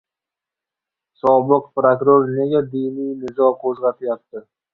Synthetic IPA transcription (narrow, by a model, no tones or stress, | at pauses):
sɒbəqpɾokɾoɾneɡʲed̪ijnijnɪzɔkʰozʁɑt̪ʰɪjɑt̪ːə